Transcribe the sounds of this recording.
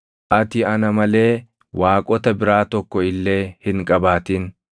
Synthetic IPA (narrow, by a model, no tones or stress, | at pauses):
ʔɐt̪ɪɐnɐmɐle̞ː | waːkʼɔt̪ɐbɪɾaːt̪ɔkːɔɪlːe̞ːhɪŋkʼɐbaːt̪in